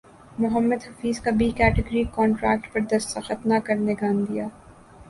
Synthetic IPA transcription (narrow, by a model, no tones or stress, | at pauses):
mʊɦəmːəd̪ɦɐfiːzkabʱikɛːʈɪɡɾikɔːɳʈɾɛ̰ːk̚ʈpɐɾd̪ɐst̪axɐt̪nakɐɾneɡaːnd̪ijaː